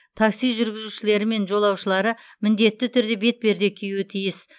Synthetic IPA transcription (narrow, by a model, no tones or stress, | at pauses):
t̪ʰɑksijʒʏɾɡʲɪzuʃɪle̞ɾɪme̞nʒo̞lˠɑwʃəlˠɑɾə | mɪnd̪e̞t̪ːɪt̪ʰʏɾd̪e̞be̞t̪̚be̞ɾd̪e̞kʲʰijuɪt̪ʰijɪs